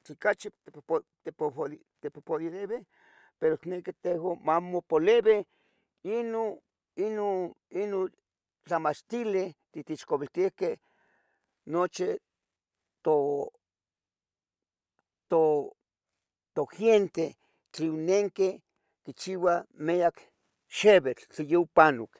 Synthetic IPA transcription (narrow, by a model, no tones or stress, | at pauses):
t͡ɬikat͡ʃit̪et̪epol | t̪epopoliðeβe | peɾoknekit̪ehomamopoleβe | ino | inoino | t͡ɬamat͡ʃt̪ilet̪it̪iʃkoβilt̪ihkeh | not͡ʃi | t̪o | t̪o | t̪oxjent̪e | t͡ɬiwneŋke | kit͡ʃiwameak | ʃeβet͡ɬt͡ɬijeupanok